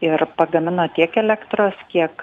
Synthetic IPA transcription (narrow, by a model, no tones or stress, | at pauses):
ɪrpɐɡɐmʲɪnoːt̪ʲiɛkɛlʲækt̪ɾoːskʲiɛk